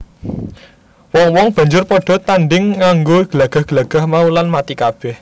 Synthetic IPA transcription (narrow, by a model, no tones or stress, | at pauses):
wɔŋwɔŋb̥a̤ɲd͡ʒʊrpɔɖ̥ɔ̤t̪anɖɪŋːaŋɡoɡ̥əlaɡ̥a̤hɡ̥əlaɡ̥a̤hmaulanmat̪ikab̥ɛh